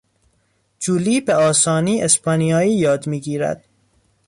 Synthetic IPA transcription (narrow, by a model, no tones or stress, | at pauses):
d͡ʒuːliːbeɒːsɒːniːespʰɒnijɒːiːjɒːd̪miːɡiːɾæ̰d̪̥